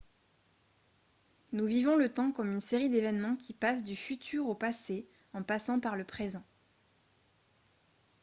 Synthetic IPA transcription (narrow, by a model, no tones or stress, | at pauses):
nuvivɔ̃lət̪ɑ̃kɔmynseʁid̪evɛnmɑ̃kʲʰipas̬d̪yfyt̪ʰyʁopase | ɑ̃pasɑ̃paʁləpχezɑ̃